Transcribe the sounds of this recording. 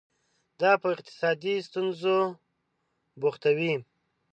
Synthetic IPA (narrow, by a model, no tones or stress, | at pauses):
d̪ɑpəɪqt̪ɪ̥sɑd̪ist̪unzo | boxt̪awi